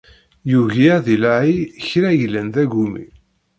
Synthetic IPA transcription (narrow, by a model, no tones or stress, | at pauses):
juʝiðilaʕiçɾæjlːənðæɡumḭ